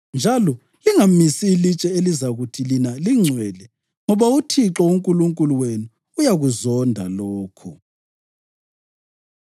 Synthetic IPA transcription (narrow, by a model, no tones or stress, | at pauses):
nd͡ʒʱalɔ | liŋamisiːlit͡ʃʼɛelizaɣutʰilinaliŋ͡ǀʱwɛlɛ | ŋɔβautʰiǁɔuŋkʼuluŋkʼuluwenuː | jaɣuzɔndʱa̰loːkʰu